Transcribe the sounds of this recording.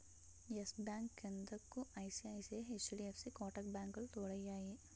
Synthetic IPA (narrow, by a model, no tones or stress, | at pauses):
jesbjaːŋkend̪ɐkːuʔɐjsiɐjsieɦet͡ʃːɐɽiepʰsikoːʈɐkbʲjaːŋkɐlut̪oːɽɐjaːji